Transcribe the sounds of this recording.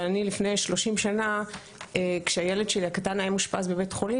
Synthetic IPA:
anilifne̞jʃlo̞ʃimʃana | ekʃeajeledʃeliakatanajamuʃpasbebe̞tχo̞li

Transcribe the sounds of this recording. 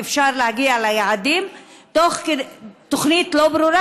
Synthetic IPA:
efʃaɾlehaɡialajaʕad̪imt̪oχked̪t̪oχnit̪lobɾuɾa

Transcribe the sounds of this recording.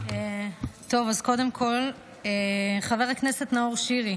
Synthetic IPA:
et̪o̞vazko̞de̞mkʰo̞l | eχave̞ʁakne̞setnaoʁʃiʁi

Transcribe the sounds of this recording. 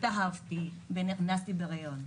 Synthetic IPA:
t̪aɦavt̪iveniχnast̪ibeʁajon

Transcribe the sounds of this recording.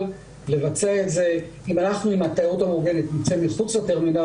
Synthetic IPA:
l | le̞vat͡seaetze̞ | imanaχnuimat̪authamuɡenit̪nit͡semiχut͡slat̪eʁmina

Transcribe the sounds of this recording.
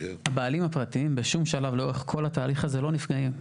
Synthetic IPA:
habealimhapʁat̪iimbeʃumʃalavleoeχkʰo̞lhat̪aːliχaze̞lo̞nifɡaim

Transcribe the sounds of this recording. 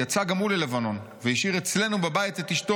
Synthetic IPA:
jat͡saɡamulelevano̞n | vejiʃiʁet͡sle̞nubebajitetiʃto

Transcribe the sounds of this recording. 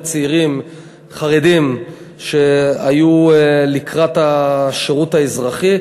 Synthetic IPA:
t͡siʁim | χaʁedim | ʃeajulikʁataʃeʁutaezʁaχi

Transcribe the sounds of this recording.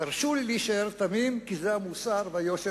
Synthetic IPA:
aʁʃulːiʃaeɾt̪amimkizeamusaʁvajoʃe

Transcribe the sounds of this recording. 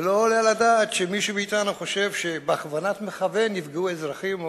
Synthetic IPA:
loːljeladat̪ʃemiʃumiːtanuχo̞ʃe̞vʃe̞beaχvanatmeχave̞nːifɡeuezʁaχim

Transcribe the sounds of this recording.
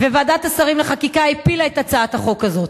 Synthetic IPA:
vevaːdat̪hasaʁimleχakikaipilaetat͡saathaχo̞kazo̞t̪

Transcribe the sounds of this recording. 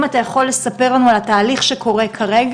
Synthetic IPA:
mat̪ajaχo̞lːe̞sape̞ʁlanualat̪aːliχʃekʰo̞ʁe̞kʰaʁeɡ

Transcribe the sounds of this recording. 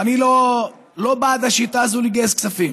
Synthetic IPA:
anilo | lo̞baːt̪aʃit̪aːzuliɡesksafim

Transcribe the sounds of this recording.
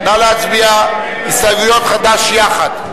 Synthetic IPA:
nalat͡sbia | isaɡujot̪χad̪aʃjaχad̪

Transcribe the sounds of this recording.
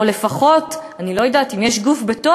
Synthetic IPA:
le̞faχo̞tanilo̞jadaːtimjɛʃɡufbeto

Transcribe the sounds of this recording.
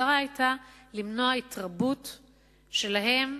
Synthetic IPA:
aʁaajtalimnoaitʁabut | ʃe̞laɦe̞m

